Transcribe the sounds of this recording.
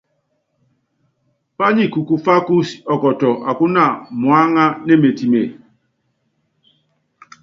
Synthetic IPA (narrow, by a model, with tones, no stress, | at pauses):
pa˦ɲi˦ku˨ku˨fa˦ku˦sɔ˨kɔ˨tɔ˨ʔa˨ku˦na˦˨mwa˦ŋa˦ne˦˨me˨ti˨me˨